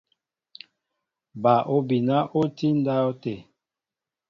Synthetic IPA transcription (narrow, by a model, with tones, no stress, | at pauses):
ba˨ʔo˦bi˨na˦ʔo˦ti˦n˦da˦o˦te˨